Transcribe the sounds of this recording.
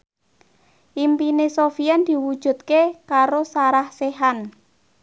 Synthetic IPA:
ʔimpinesofiand̪̥i̤wud̥ʒ̥ṳt̪̚kekaɾosaɾahseɦan

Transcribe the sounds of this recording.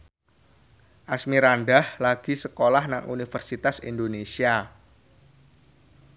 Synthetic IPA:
ʔasmiɾanɖahlaɡ̥i̤səkolahnaŋunifərsit̪asḭnd̪onesia

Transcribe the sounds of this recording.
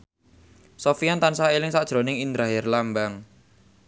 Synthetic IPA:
sofiant̪ansaelɪŋsad̥ʒ̥ɾo̤nɪŋind̪ɾaɦɪrlambaŋ

